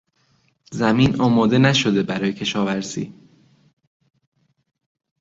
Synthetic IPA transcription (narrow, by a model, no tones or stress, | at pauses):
zæmiːnʔɒːmɒːd̪e̞næʃo̞d̪e̞bæɾɒːje̞cʰe̞ʃɒːvæɾsḭː